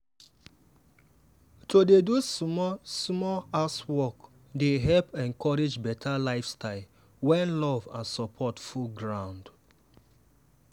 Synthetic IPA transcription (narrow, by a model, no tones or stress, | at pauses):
todedumɔsmɔaswɔk | deɦɛlpɛ̃ŋkɔɹed͡ʒbɛtʰalaɪfstaɪl | wɛ̃nlɔvãnsɔpʰɔtfulɡɹãʊ̃nd